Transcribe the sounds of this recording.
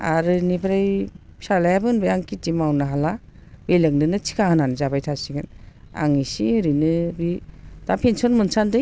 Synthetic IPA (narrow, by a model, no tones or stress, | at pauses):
a̰ɾɯnibɾajsalajabɯnbajaŋkitimawnɯɦala | belɯŋdɯnɯt͡ʃʰi̥kʰahɯnanɯzabajtʰasiɡɯn | a̰ŋisiɯɾinɯbid̥apʰensɔnmɯnsandɯ